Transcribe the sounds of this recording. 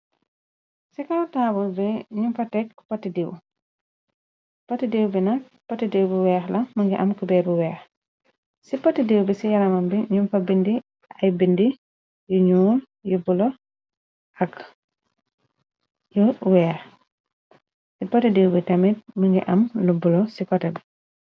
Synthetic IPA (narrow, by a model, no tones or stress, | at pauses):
sikawtaːbulbiɲumfɐtɛkːpatːidiw | patːidiwbinɐ | patːidiwbiwɛːxlɐmɐŋɡɛʔamkubɛbuwɛːx | sipɐtːidiwbisijalɐmambiɲumfɐbindi | ʔɐjbindi | juɲuːl | jubulɔ | ʔɐk | juwɛːx | sipɔtidiwbitɐmit̚miŋɡḭʔɐmlubulɔsikɔtɛbi